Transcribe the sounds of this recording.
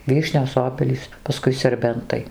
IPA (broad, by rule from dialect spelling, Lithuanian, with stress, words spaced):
ˈʋʲiːʃʲnʲoːs ˈoːbʲɛlʲiːs pɐˈskʊɪ sʲɛrʲˈbʲɛntɐɪ